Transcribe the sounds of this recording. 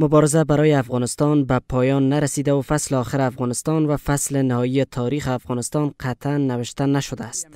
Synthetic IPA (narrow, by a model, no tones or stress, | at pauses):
mʊbɒɾezabaɾɒːjeafɣɒnɪst̪ɒnbapʰɒjɒnːaɾasiːd̪aufasleɒːxeɾeafɣɒnɪst̪ɒnvafaslenɪhɒijet̪ʰɒɾiːxeafɣɒnɪst̪ɒnqʰat̪ʰanːævɪʃt̪anaʃod̪æːst̪